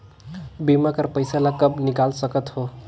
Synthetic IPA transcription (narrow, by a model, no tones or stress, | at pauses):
bimakʌrpʌjsalakʌbnikalsʌkʌt̪ho